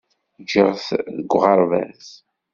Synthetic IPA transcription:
d͡ʒəʁθðəɡʷʁɑɾˤvæ̰z

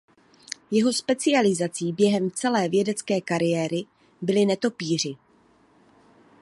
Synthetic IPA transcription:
jɛɦo̞spɛt͡sɪalɪzat͡siːbjɛɦɛmt͡sɛlɛːvjɛdɛt͡skɛːkaɾɪjɛːɾɪ | bɪlɪnɛt̪o̞piːr̝ɪ

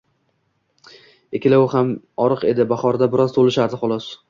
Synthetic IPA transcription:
ekʲɪlaʊham | ɒɾɨqe̞d̪ɪbaχɒɾd̪abɪɾɒzt̪ʰolɪʃaɾd̪ɪχɒlˠɒs

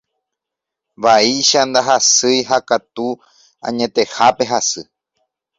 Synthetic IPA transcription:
βaiʃand̪aɦasɨjɦakat̪u | ã̰ɲẽ̞t̪e̞hape̞ɦasɨ

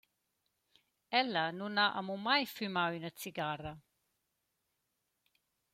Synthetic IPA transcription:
ɛlːanunaʔa̰mumajfymawinat̪siɡaːrɐ

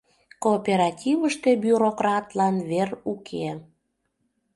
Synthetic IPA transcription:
koːpʲeɾɑtʲivəʃt̪ebyɾokrɑt̪lɑnverukʰe

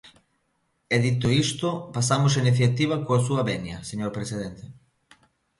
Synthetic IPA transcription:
ɛðit̪oist̪ʊpasamʊsainiθjat̪iβ̞ɐkoasuɐβɛnjɐseɲoɾpɾesið̞ent̪e

